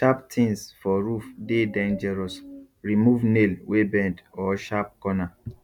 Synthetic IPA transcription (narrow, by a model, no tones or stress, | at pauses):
ʃaptʰĩnsfɔɹufdedãnd͡ʒɛɹɔs | ɹimuvnelwebɛ̃ndɔʃap̚kɔna